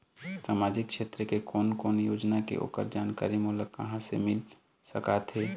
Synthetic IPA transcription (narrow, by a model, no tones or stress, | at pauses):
saːmaːd͡ʒɪkʃeːt̪ɾəkekɔːnkoːnjoːd͡ʒnakḛʔo̰ːpə̰ɾd͡ʒaːnka̰ːɾimuːləkːə̰ɦãsemɪl | səkat̪ɦeː